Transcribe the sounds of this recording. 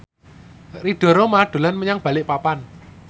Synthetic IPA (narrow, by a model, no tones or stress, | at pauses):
riɖ̥ɔ̤ɾomaɖ̪̥o̤lanməɲaŋb̥ä̤lɪʔpapan